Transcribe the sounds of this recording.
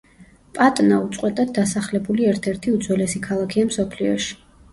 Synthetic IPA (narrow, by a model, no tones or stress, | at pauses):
pʼat̪ʼnaut̪sʼqʼwɛt̪ʼad̪̚d̪asaχlɛbuliɛɾt̪ʰɛɾt̪ʰiud̪z̥wɛlɛsikʰalˠakʰiamsɔpʰliɔ̰ʃi̥